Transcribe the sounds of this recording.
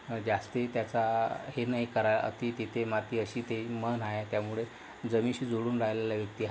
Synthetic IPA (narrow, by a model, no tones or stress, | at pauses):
d͡ʑast̪et̪jat͡sahenaɦikəɾajə̰t̪it̪it̪ʰemat̪iːəɕiːt̪emənɦajat̪jamuɭe | d͡zəmiɕiːd͡zoɽuːnɾajlaljaʋjək̚t̪iːɦ